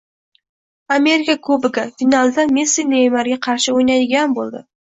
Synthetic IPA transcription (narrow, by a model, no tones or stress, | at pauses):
ame̞ɾɪkakʰɵbɪɡafinalˠd̪amesinejmaɾɡʲaqʰɑɾʃɪojnajd̪ɪɡʲanbolˠd̪ɪ̰